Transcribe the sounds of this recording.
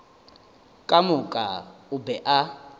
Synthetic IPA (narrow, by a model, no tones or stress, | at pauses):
kʼamʊkʼaʊbɛʔa